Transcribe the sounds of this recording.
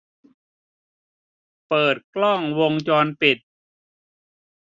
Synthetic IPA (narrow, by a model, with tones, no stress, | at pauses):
pɤː˨˩t̪̚klɔ˥˩ŋwo˧ŋt͡ɕɔː˧npi˨˩t̪̚